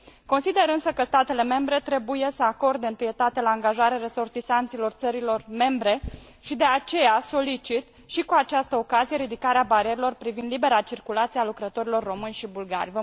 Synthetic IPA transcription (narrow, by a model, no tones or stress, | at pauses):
ko̞nsid̪e̞ɾɨnsəkəst̪at̪e̞le̞me̞mbɾe̞t̪ɾe̞buje̞səako̞rd̪eɨnt̪ɨje̞t̪at̪ealaːŋɡaʒaɾeɾeso̞rt̪isant̪silo̞rt̪səɾilo̞rme̞mbɾe̞ | ʃid̪e̞at͡ʃe̞jaso̞lit͡ʃit̪ | ʃikuat͡ʃast̪əo̞kazije̞ɾid̪ikaɾeabaɾieɾelo̞rpɾivind̪libe̞ɾat͡ʃirkulat̪sialukɾət̪o̞ɾilo̞rːo̞mɨnʲʃibulɡa̰rʲvə